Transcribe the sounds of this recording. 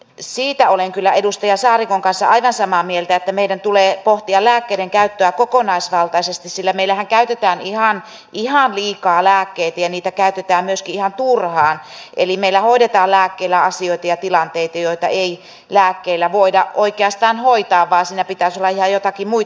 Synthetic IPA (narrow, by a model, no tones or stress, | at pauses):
siːt̪æoleŋkylːæedust̪ɑjɑsɑːrikoŋkɑnsːɑ̰ʔɑiʋɑnsɑmɑːmielt̪æet̪ːæmeidænt̪uleːpoht̪iɑlæːkːeiɾeŋkæyt̪ːøækokonɑisʋɑlt̪ɑisest̪issilːæmeilæhæŋkæyt̪et̪æːnihɑn | ʔihɑnliːkɑːlæːkːeit̪æjɑniːt̪ækæyt̪et̪æːmmyøskiihɑnt̪urhɑːn | ʔḛlimeilːˑæhoidet̪ɑːllæːkːeilːæɑsioit̪ɑjɑt̪ilɑnt̪eit̪ɑjoit̪ɑ̰ʔei | læːkːeilːæʋoidɑʔoikeɑst̪ɑːnhoit̪ɑːʋʋɑːnsiːnæpit̪æːˑsolːɑihɑjot̪ɑkimui